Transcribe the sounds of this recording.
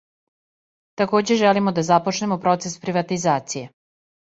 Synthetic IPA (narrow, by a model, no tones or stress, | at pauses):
t̪ako̞ːd͡ʑeʒɛlimod̪azapot͡ʃnemopɾo̞t̪sespɾiʋat̪izaːt̪sije